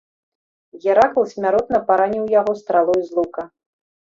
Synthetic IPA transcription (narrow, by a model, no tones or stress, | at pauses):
ɣʲɛɾakulˠsʲmʲaɾɔt̪nɐpaɾanʲiwjaɣɔst̪ɾalˠɔjzlˠukɐ